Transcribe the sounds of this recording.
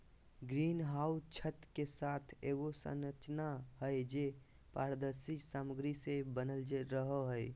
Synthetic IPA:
ɡɾinɦawt͡ʃʰət̪kesat̪ʰeɡosə̰nət͡ʃnaɦəjd͡ʒe | paɾəd̪əɾsisaməɡɾisebənəld͡ʒeɾəɦəɦəj

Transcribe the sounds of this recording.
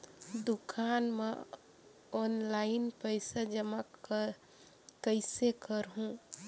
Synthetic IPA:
d̪ukʰanme | ɔnlaɪnpəɪsad͡ʒəmak | kəɪsekəɾɦũ

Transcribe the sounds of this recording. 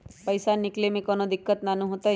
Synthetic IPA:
pəjsaniklemẽkɔnod̪ikːət̪nanũɦot̪a

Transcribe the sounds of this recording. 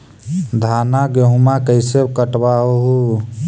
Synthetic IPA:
d̪ʱanaɡeɦũmakəɪseb̚kəʈbaoɦu

